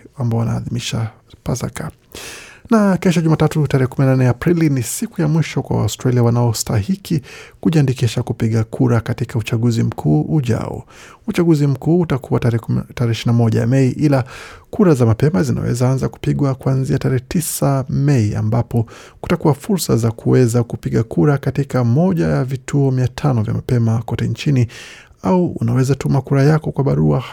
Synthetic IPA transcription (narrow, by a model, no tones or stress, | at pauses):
ambaɔana̰ːðimiʃa | paza̰ka | nakɛʃ̬ɔʄumaːtatutaɾɛhɛkuminananɛapɾilinisikujamwiʃɔkwa̰wa̰ɔstɾaliawanaɔstaɦikikuʄiandikiʃakupiɠakʰuɾakatikaut͡ʃaɠuzim̩kʰuːʔuʄa̰ɔ̰ut͡ʃaɡuzim̩kuːutakʰuwataɾɛɛʃinamɔʄa̰ja̰mɛiʔilakuɾazamapɛmazina̰wɛ̰zaanzaku̥piɠwakuanziataɾɛɛtisamɛia̰mbapɔku̥takuwafuɾsazakʰuwɛzakupiɠakuɾakatikamɔʄajavitʰuɔmiatʰanɔvja̰ma̰pɛmakɔtɛnt͡ʃini | aṵːnawɛzatumakuɾajakɔkwaɓaɾua